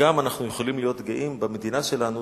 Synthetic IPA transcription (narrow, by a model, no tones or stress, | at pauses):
amanaχnujeχolimlijo̞t̪ɡeʔimbame̞d̪inaʃe̞lanu